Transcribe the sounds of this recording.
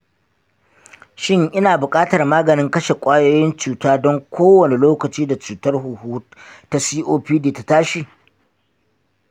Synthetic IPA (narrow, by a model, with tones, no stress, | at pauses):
ʃɪ˦ŋʔɪ˦naː˨bʊ˨kʼaː˦tɐ˨rmaː˦ɡɐ˨nɪ˦ŋkɐ˦ʃe˨kʷʼaː˦joː˦jɪ˦nt͡ʃuː˨taː˦dɔ˦ŋkʷoː˦wɐ˨ne˨loː˦kɐ˨t͡ʃiː˦da˨t͡ʃuː˨tɐ˦rɦu˨huː˦ta˦siː˦ʔoː˦ɸiː˦deː˨ta˨taː˦ʃi˨